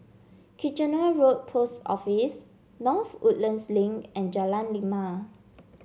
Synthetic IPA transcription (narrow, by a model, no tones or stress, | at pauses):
kʰid͡ʒə̃nəɹot̚pʰostɔ̰fis | nɔθṵʔlə̃nslĩŋʔɛ̃nd͡ʒalãnlima